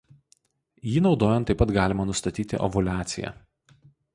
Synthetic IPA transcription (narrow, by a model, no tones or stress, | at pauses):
jiːnɒʊd̪oːjɛnt̪ːɐɪpɐt̪ɡɑːlʲɪmɐnʊst̪ɐt̪ʲiːt̪ʲɪ̰ʔɔ̰bʊlʲæːt̪sʲɪjæ̰